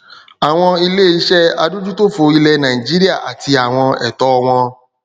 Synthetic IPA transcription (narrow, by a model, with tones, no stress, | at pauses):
a˨w̃ɔ̃˧i˧le˦˨i˦ʃɛ˦a˧du˦d͡ʒu˦to˦fo˨˦i˦lɛ˧nã˨i˨d͡ʒi˦ɾi˦a˦˨ʔa̰˨ti˧a˨w̃ɔ̃˧ɛ̰˨tɔ˦˧w̃ɔ̃˧